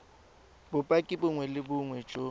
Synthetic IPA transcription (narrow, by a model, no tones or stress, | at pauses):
bʊpʼakʼɪbʊŋwɛlɪbʊŋwɛt͡ʃʼo